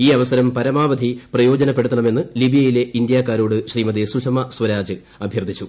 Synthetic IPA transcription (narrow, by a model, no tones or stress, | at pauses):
iːɐʋɐsɐɾɐmpɐɾɐmaːʋɐd̪ʱiprɐjo̞ːd͡ʑɐnɐpːe̞ɽut̪ːɐɳɐme̞nːɨlibijɐjile̞ind̪jaːkːaːɾo̞ːɽɨɕriːmɐd̪esuʂɐmɐswɐɾaːd͡ʑɨ | ɐbʱjɐrd̪ʱit͡ɕːu